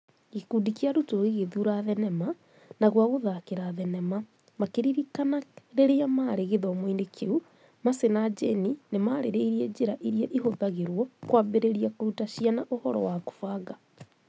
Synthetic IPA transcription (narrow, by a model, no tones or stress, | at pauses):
ɣikuːdikiaɾutoɣiɣeðuɾaðɛnɛma | naɣwaɣoðakeɾaðɛnɛma | makeɾiɾikanaɾeɾeamaɾeɣeðɔmoindekʰeu | masenad͡ʒɛninemaɾeɾɛiɾiɛd͡ʒeɾaʔiɾiɛʔiɦoðaɣeɾwɔkwaːmbeɾeɾiakoɾutaɕianaʔohɔɾɔ̰wako̥faːɣa